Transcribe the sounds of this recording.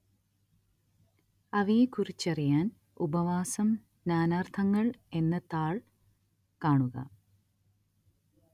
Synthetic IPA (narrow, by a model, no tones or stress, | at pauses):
ɐʋijekurit͡ɕːɐrijaːn | ubɐʋaːsɐm | naːnaːrt̪ʰɐŋːɐɭe̞nːɐt̪ːaːɭ | kaːɳuɣɐ̰